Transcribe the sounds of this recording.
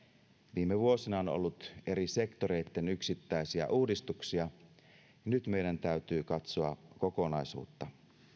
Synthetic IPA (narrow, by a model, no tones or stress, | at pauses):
ʋiːmeʋuosinɑono̰lːut̪e̞ɾise̞kt̪oɾe̞it̪ːenyksit̪ːæisiæ̰ʔuːdist̪uksiɑ | nyt̪me̞jdænt̪æyt̪yːkɑt̪soɑ̰koko̞nɑisṵːt̪ːɑ